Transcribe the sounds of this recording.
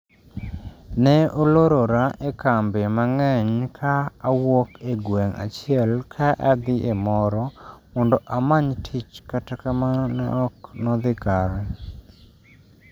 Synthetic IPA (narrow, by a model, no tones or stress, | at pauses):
nɛoloɾoɾaʔekambemaŋɛɲkʰaːwokeɡweŋʔa̰t͡ʃɪɛlkʰaʔad̪ɪʔemɔɾɔmɔndɔʔamaɲtʰit͡ʃkatakamanɛ̰ʔɔknɔd̪ɪkaɾɛ